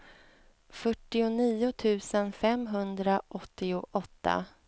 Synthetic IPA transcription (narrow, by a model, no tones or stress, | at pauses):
fœʈːɪʊniːʊt̪ʰʉ̟ːsənfɛmɦɵnd̪ɾaʔɔt̪ːɪʊʔɔt̪ːa̰